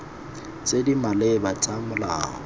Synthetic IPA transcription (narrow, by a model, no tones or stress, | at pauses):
t͡sʼedimalebat͡sʼamʊla̰ːŋɔ